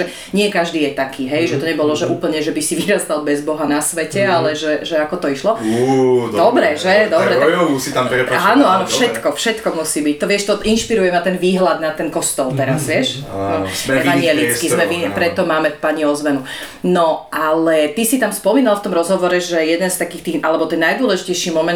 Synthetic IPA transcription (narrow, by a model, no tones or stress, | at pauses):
ɛ | ɲɪɛkaʒd̪iːjɛt̪akʰiːɦɛjʒɛt̪ɔɲɛbɔlɔʒɛʔuːpl̩ɲɛʒɛbisiʋiɾast̪albɛzbɔɦanasʋɛcɛalɛʒɛʒɛakɔt̪ɔiʃlɔ | d̪ɔbɾɛʒɛd̪ɔbɾɛt̪usit̪ampɛaːnɔanɔfʃɛt̪kɔfʃɛt̪kɔmusiːbic̚t̪ɔʋɪɛʃt̪ɔʔinʃpiɾujɛmat̪ɛnʋiːɦlad̪nat̪ɛnkɔst̪ɔlt̪ɛɾazʋɪɛʃ | ɛʋaɲnɪɛlit͡skizmɛʋipɾɛt̪ɔmaːmɛfpaɲiɔzʋɛnu | nɔʔalɛt̪isit̪amspɔmiːnalft̪ɔmɾɔzɦɔʋɔɾɛʒɛjɛd̪ɛnst̪akiːxt̪iːɣʔalɛbɔt̪ɛnːajd̪ʊɔlɛʒicɛjʃiːmɔmɛn